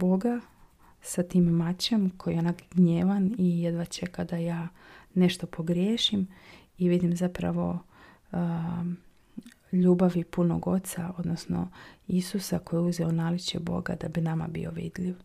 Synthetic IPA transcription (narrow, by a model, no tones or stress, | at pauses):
bo̞ɡa | sat̪iːmːat͡ɕe̞mkʰo̞jieonaɡɡɲeːʋanijed̪ʋat͡ɕekad̪ajaːne̞ʃt̪o̞pʰo̞ɡɾjeːʃim | iʋid̪imzapɾa̰ʋo̞ | ʎuːbaʋipuno̞̰ɡo̞t̪sao̞d̪no̞sno̞̰isusako̞jiuzeonaːlit͡ɕḛbo̰ɡa̰d̪abinama̰bḭo̞ʋḭd̪ʎiʋ